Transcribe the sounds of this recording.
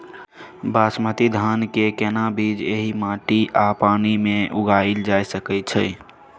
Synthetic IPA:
basmət̪id̪ʱankekɛnabid͡ʒeɦimãʈiʔapaːnimẽʔuɡaild͡ʒajsəkɛt͡ʃʰɛ

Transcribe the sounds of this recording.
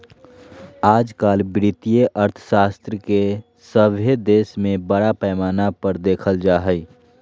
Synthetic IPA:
aːd͡ʒkaːlbɾɪt̪ijeʔəɾt̪ʰə̥ʃaːst̪ɾəke | səbʱed̪eːsmẽbəɽapɛːmaːnapəɾd̪eːkʰəld͡ʒaːɦəi

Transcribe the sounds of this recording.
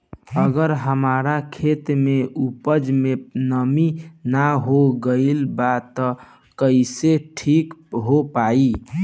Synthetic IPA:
əɡəɾɦəmaɾakʰet̪meʔupəd͡ʒmenəminaɦoɡəɪlbat̪ːɔ | kəɪseʈʰikɦopai

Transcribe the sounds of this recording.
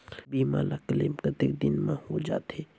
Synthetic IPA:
biːma̰ːlakəlɪmkət̪ɪkd̪ɪnmãhod͡ʒa̰ːt̪eː

